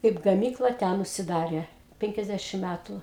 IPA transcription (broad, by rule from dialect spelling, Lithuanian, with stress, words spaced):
kɐɪp ɡɐˈmʲiːklˠɐ ˈtʲɛn ʊʃʲsʲɪˈdɑːrʲeː ˈpʲɛŋʲkʲɛzʲˌdʲæʃʲɪm ˈmʲætʊ